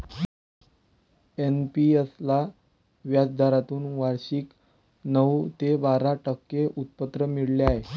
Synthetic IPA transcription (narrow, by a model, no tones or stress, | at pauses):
enpiəsla | ʋjad͡zd̪ʱaɾat̪uːnʋaɾɕik | nət̪ebaɾaʈəkːeʔut̪̚pət̪ɾəmiɽleaɦe